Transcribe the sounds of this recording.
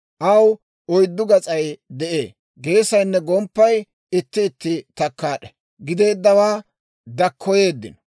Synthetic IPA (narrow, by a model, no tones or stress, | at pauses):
ʔɐw | ɔjd̪ːʊɡɐt͡sʼɐjd̪ɛʔe̞̰ː | ɡe̞ːsɐjnːɛɡɔmpːɐj | ɪt̪ːɪːt̪ːɪt̪ɐkːaːɗɛ̥ | ɡɪd̪e̞ːd̪ːɐwaː | d̪ɐkʰːɔje̞ːd̪ːɪ̰nɔ